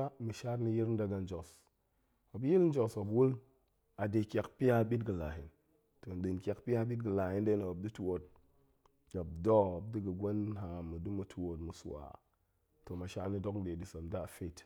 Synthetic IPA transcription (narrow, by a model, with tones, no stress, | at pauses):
a˦mi˨ʃa˦ɾni˦ji˦ɾn̩˦da˦ɡa˨n˦d͡ʒo˨s | o˨bji˦ln̩˦d͡ʒo˨so˨bwu˦l | a˨de˨kʲa˨kpi˦a˦ɓi˦tɡɨ˨la˨hi˨n | to˨n˨ɗi˨nkʲa˨kpi˦ja˦ɓi˦t̚ɡə˨la˨hi˦nde˦na˨o˨b̚di˦tu˦˨wo˨t̚ | ɡa˨b̚dɔ˦˨b̚di˦ɡə˨ɡʷa˦nɦa˨mu˨du˦mu˨tʰu˨wo˨tmu˨su˨a̰˨ | to˨ma˨ʃa̰˦ɾni˦do˦kn˦de˨di˨sa˨mda˦˨fe˦˨t